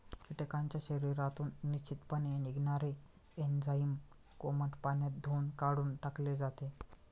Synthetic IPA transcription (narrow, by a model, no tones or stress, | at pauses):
kiʈekãɲt͡ɕjaɕəɾiɾat̪uːnːit͡ɕit̪paniniɡnaɾe | end͡zaim | koməʈpanjat̪̚d̪ʱonkaɽuːnʈakled͡zat̪e